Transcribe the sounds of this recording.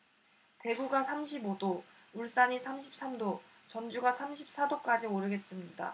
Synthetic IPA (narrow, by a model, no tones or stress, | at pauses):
te̞ɡuɡasʰamɕʰibodo | uɭs͈aɲisʰamɕʰi̥p̚s͈amdo | t͡ɕʌnd͡ʑuɡasʰamɕʰip̚s͈adok͈ad͡ʑioɾɯɡe̞s͈ɯmɲida̰